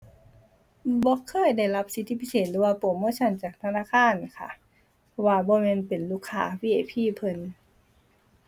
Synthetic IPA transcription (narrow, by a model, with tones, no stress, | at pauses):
bɔː˧˦kʰɤː˧˥˩jda˧˩˨jla˧˥p̚si˨˧˦t̪ʰi˧pʰi˧˥seː˨˩t̪̚lɯː˨˦waː˧po˨˩˦mːuː˧˥˨t͡ɕʰa˧˥˨nt͡ɕaː˨˩k̚t̪ʰa˧naː˧˥˨kʰaː˧˥˨nkʰa̰˧˩ | pʰɔ˧waː˧bɔː˧˦mɛː˧˥˨npe˨˩nluː˧˩kʰːa̰ː˧˥wiː˧˥ʔeː˨˩pʰiː˧˥˨pʰɤ˧˥n